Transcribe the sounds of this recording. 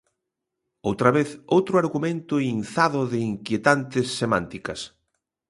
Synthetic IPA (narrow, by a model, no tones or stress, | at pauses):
owt̪ɾɐβeθowt̪ɾʊaɾɣumẽnt̪ʊinθaðʊðɪiŋkjet̪ant̪ɪsːemãnt̪ikɐs